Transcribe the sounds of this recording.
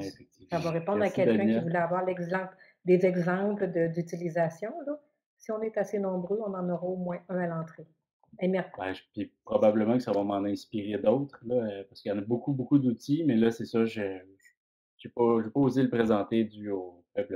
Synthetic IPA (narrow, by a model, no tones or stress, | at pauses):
efɛk̚t̪ivmsavɔʁepɔ̃d̪ʁakɛld̪kœ̃ivulɛavwaʁlɛɡzɑ̃pl | d̪ezɛɡzɑ̃pləd̪əd̪yt̪ilizasjɔ̃lɔ | siɔ̃nɛt̪asenɔ̃bʁøɔ̃nɑ̃nɔʁɑomwɛ̃ʔœ̃alɑ̃ːt̪χe | ɛmɛbɛ̃ʒpipχɔbabləmɑ̃kə̥savɔmɑ̃nɛ̃spiʁed̪ɔwt̪χlʌøpaʁsə̥kəjɑ̃ːnʌbokubokud̪ut̪imɛlʌsɛsʌʒəʒ | sepɔʒɥepɔozeləpχezɑ̃t̪ed̪yopœbl